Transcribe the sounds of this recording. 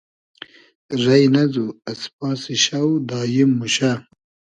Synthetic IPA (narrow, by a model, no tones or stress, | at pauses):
ɾɐjnɐzuɐspɑːsiɕawd̪ɑːjimːuɕa